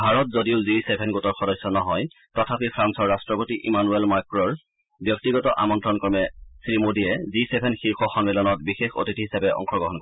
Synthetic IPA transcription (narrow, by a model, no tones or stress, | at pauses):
bʱaɹɔt̚zodiʊzisebʱɛnɡotɔɹxɔdɔjsːɔnɔɦɔj | tɔtʰapipʰɹansɔɹːastɹɔpotiʔimanuelmaɹkɹɔɹ | bjɔk̚tiɡɔtɔʔa̰mɔntɹɔnkɔɹmɛsɹimodijɛzisebʱɛnxixɔxɔmmilɔnɔt̚bixexo̰titiɦisapɛʔɔ̰ŋxʰɔɡɔɦɔnkɔɛ